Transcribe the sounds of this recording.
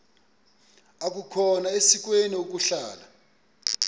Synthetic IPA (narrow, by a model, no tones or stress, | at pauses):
ak̬ʼukʰɔnaesik̬ʼweniok̬uɬaːla̰